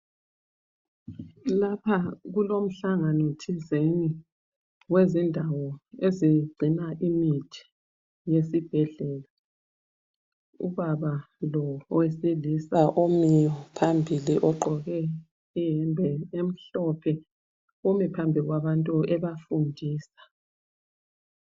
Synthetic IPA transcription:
lapʰaɣulom̩ɬaŋanɔtʰizeni | wezindʱawɔeziɡ͡ǀʱinaʔimitʰi̥ | jesib̥ʱɛɮɛːla | ṵβaβa | lɔwesilisaʔomijɔpʰambʱiliʔɔǃʱɔɣɛ | ijɛmbʱɛem̩ɬɔpʰɛ | omipʰambʱiɣwaβantʼuɛβafundʱiːsḁ

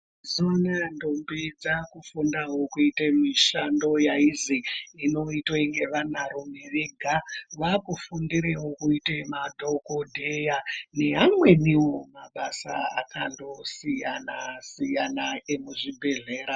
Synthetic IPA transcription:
zoanandombid͡zakufundaɦo̞kuitemiʃando̞jaiziino̞itwaiŋɡe̞ʋanaɾomeʋeɡʱaʋakufundiɾewo̞kuitemadʱo̞ko̞dʱejane̞ɦamwe̞niwo̞maɓasa̰akando̞sijanasijanaemuʐibʱe̞ɮe̞ːɾa

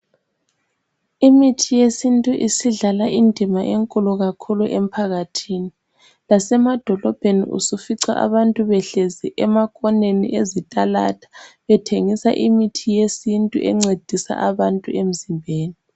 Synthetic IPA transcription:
imitʰijesintʼuʔisiɮalaʔindʱimaʔeŋkʼulɔɣakʰuluʔem̩pʰaɣatʰiːni | lasɛmad̥ʱɔlɔb̥ʱenḭʔṵsufiǀa̰ʔa̰βantʼuβɛɬeziʔɛmakʼɔnenḭʔezitʼalatʰḁβɛtʰeŋisa̰ʔimitʰijesintʼṵʔɛ̰ŋ͡ǀed̥ʱisa̰ʔaβantʼuem̩zimbʱeːni

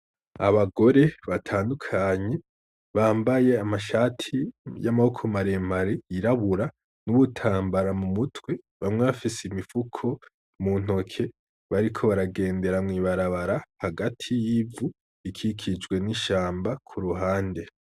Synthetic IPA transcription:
aβaɡo̞ɾe̞βatʰaːndukʰaːɲe̞ | βaːmbaje̞amaʃaːtʰijamahokʰo̞maɾe̞maɾiiɾaβuɾa | nuβutʰaːmbaɾamumutwe̞ | βamŋe̞βafiseimifukʰo̞ | mun̥o̞kʰe̞ | βaɾikʰo̞βaɾaɡe̞ːnde̞ɾamŋiːβaɾaβaɾahaɡatʰijivu | ikʰikʰid͡ʒɡwe̞niʃaːmbakʰuɾuɦaːnde̞

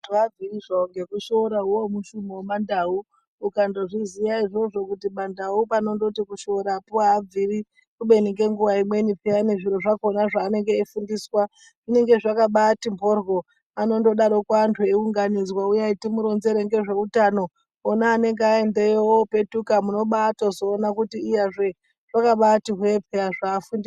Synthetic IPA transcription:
tad͡ziiʐaoŋɡe̞kuʃo̞ɾaɦuwomuʃumiwomandauː | kando̞ʐizijaiʐo̞ʐo̞kutimandaupano̞ndo̞tikuʃoɾapuaːb͡viri | kuɓe̞niɡe̞ŋɡuʋaimwe̞nipeane̞ʐiɾo̞ʐakonaʐaːne̞ŋɡe̞ifundiːswa | ʐine̞ŋɡe̞ʐakaɓatimbʱo̞rɣo | ano̞ndo̞ɗaɾo̞kwantʰoiuŋɡanid͡zwaujaitimuɾo̞nze̞ɾe̞ŋɡe̞ʐe̞utano̞ː | naːne̞ŋɡeae̞nde̞jewope̞tukamuno̞ɓatozo̞ːnakutiːjaʐe̞ | ʐ̥akaɓatiɦwepʰeaʐaːfundiwa

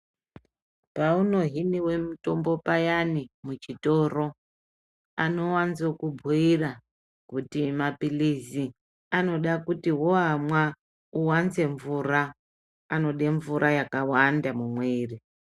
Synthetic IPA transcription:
pauno̞ɦiniwe̞muto̞mbo̞pajanimut͡ʃito̞ro̞ | a̰no̞wanzokubʱuira | kutimapilizi | ano̞ɗakutiwoɦamwa | uwanze̞ɱvuraː | no̞ɗe̞ɱvuɾʔajakawandamumweːri

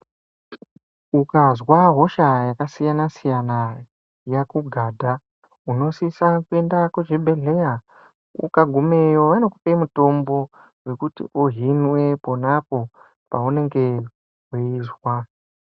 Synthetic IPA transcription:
ukazwaɦo̞ʃajakasijanasijana | jakuɡʱaːdʱa | uno̞sisakue̞ndaked͡ʒebʱe̞ɮe̞ja | ṵkaɡʱume̞joʋano̞kupemuto̞mbo̞ | we̞kutḭʔuɦinwe̞po̞napo̞ | paune̞ŋɡe̞ | ɦeizwa

